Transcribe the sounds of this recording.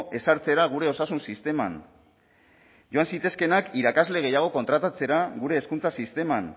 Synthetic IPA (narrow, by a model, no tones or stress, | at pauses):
ʔe̞saɾt͡se̞ɾaɣ̞uɾe̞o̞sasunsist̪e̞man | ʝo̞ansit̪e̞ske̞nakiɾakazle̞ɣe̞jaɣ̞o̞ko̞nt̪ɾat̪at͡se̞ɾaɣuɾe̞ːskunt͡sasist̪e̞man